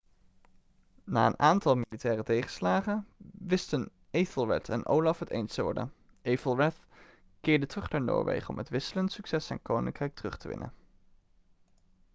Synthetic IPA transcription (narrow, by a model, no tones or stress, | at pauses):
na̰ːənʔaːntɑlˠmilitɛːrətejχəslaːχəʋɪstən | ejfəlˠɹɛ̰tʰɛ̰nʔo̰wlɑfɦətḛjnstəʋɔ̰ɹdə̰n | ʔejfəlˠɹɛt | kɪːɹdətərɵχdaːɹno̰ːɹʋḛjχəɔ̰mɦətʋɪsələntsyksɛsɛ̰nkownɪ̰ŋkrɛjk̚tərɵχtəʋɪ̰nʔə̰